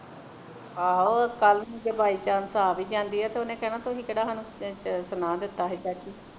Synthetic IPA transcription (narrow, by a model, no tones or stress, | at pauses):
aːoːkəlnnĩːd͡ʒeːbaːiːt͡ʃaːnsaːbiːd͡ʒãːnd̪iːɦɛːt̪eːonẽːkɛːnãːt̪oːɦiːkeːɽaːɦaːnũːsənaːd̪ɪt̪ːaːɦɛːt͡ʃaːt͡ʃiː